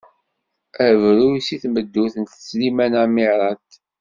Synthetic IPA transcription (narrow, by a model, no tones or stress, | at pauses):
ævɾʊisiθməd̪ːuθənt̪ə̥t͡sːlimænamiɾˤɑt̪